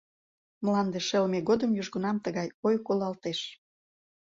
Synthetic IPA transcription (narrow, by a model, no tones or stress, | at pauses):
mlɑnd̪eʃelmeɣod̪əmjuʒɣunɑmt̪əɣɑjojkolɑlt̪eʃ